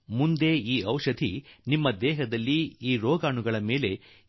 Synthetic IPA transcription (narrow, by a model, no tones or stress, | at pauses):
mund̪eːiːɐwʂɐd̪ʱḭnimːɐd̪ɛːɦɐd̪ɐlːiiːɾɔːɡaːɳuɡɐɭɐme̞ːle̞